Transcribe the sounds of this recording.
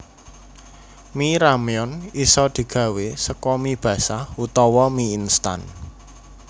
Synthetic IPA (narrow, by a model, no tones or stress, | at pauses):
miɾamiɔnisɔd̪̥i̤ɡ̥ä̤wesəkɔmib̥ä̤sahut̪ɔwɔmiːnst̪a̰n